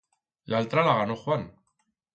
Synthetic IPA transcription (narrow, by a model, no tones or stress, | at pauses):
lalt̪ɾalaɣanoxwan